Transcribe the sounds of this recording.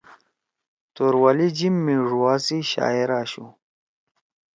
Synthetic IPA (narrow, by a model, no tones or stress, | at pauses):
t̪oɾwalid͡ʑimːiʐuwaːsiɕa̰ːiɾaːɕu